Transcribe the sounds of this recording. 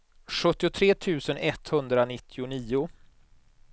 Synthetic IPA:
ɧɵt̪ːɪʊt̪ʰɾeːt̪ʰʉ̟ːsənɛt̪hɵnd̪ɾanɪt̪ʰːɪʊniːʊ

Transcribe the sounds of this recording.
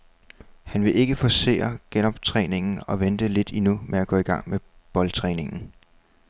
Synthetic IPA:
hænʋe̝ʔe̝ɡ̥əfɒ̽se̝̰ːɐɡ̥enɒ̽b̥̚t͡sʰʁɛːne̝ŋn̩ɒ̽ʋend̥əle̝d̥inumʔeæɡ̥ɔ̰̽ːiɡ̥ɑ̈ŋ̰meb̥ɒ̽lt͡sʰʁɛːne̝ŋn̩

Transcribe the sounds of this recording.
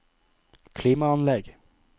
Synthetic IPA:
kʰliːmaanlɛɡ

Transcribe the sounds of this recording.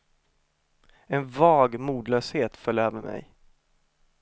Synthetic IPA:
ɛnvɑːɡmuːd̪lœːsheːt̪fœlːœːvɛnmɛ̰j

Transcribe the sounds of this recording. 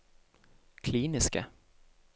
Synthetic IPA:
kʰliːnɪska̰

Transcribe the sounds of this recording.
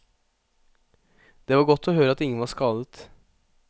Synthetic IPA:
d̪̥eːʋɑːɾɡɔt̪ʰːoːhøːɾəɑt̪ɪŋːənʋɑskɑːlət̪

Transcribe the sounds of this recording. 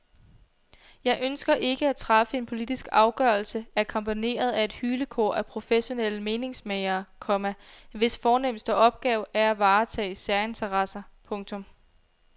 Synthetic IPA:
jɑ̈ɪʔønsɡ̥ɐʔe̝ɡ̥əæt͡sʰʁɑ̈fəe̝npʰo̝lid̥isɡ̥ɑ̈ʊɡ̥ɶɐl̩səæɐkʰɒ̽mpʰine̝̰ːɐð̞ˠæe̝d̥hyːləkʰɔ̰ːɐ̰ʔæpʰʁo̝feɕo̝nel̰əme̝ːne̝ŋsmeɪɐːkʰɒ̽mæʋe̝sfɒːnem̰sd̥əʔɒ̽b̥̚ɡ̥ɛːʊæɐæʋɑ̈ːt͡sʰɛ̰ːisæɐe̝nt͡sʰɐʁɑ̈sɐpʰɔ̽ŋt͡sʰɔ̽m

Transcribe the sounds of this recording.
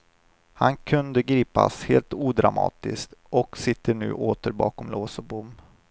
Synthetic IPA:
hankʰɵnd̪əɡɾiːpasheːlt̪uːd̪ɾamɑ̰ːt̪ɪst̪ɔksɪt̪ːəɳʉ̟̰ːʔoːt̪əɾbɑːkɔmloːsɔbʊmː

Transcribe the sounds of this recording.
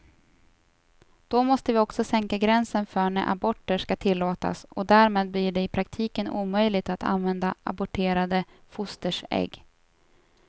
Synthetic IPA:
d̪̥ɔmɔst̪əvɪɔksɔsɛŋkaɡɾɛnsənfœːɳæʔa̰bɔʈːəʂkat̪ʰɪlːoːt̪a̰sɔ̰d̪æːɾmeːd̪̚blɪɖɛɪpʰɾakt̪ʰiːkənṵːmœjlɪɡ̚t̪at̪ʰa̰nvɛnd̪aʔa̰bʊʈʰeːɾad̪əfʊst̪əʂɛ̰ɡː

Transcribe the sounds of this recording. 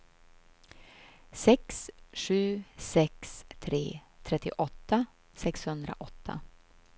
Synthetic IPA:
sɛksɧʉ̟ːsɛkst̪ʰɾeːt̪ʰɾɛt̪ːɪʔɔt̪ːa | sɛkshɵnd̪ɾa̰ʔɔt̪ʰːa̰

